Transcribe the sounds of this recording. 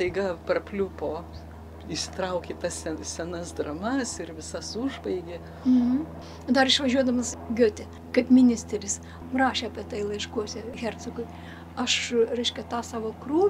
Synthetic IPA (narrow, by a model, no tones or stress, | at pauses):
t̪ɐɪɡɑpɐrpʲlʲupoː | ɪʃsʲɪ̥t̪ɾɐʊkʲet̪ɐssʲɛsʲɛnɐsd̪rɐmɐsɪrʋʲɪsɐsuʒbɐɪɡʲe | m̩ | d̪ɐrɪʃʋɐʒʲuɔd̪ɐmɐsɡʲʊːt̪ʲɛ | kɐɪpmʲɪnʲɪsʲt̪ʲɛɾʲɪs | rɑːʃʲeːɐpʲiɛt̪ɐɪlˠɐɪʃkuɔsʲɛxʲɛrt̪sʊɡʊɪ | ɐʃɾʲɛɪʃʲkʲɛt̪ɑːsɑːʋoːkruː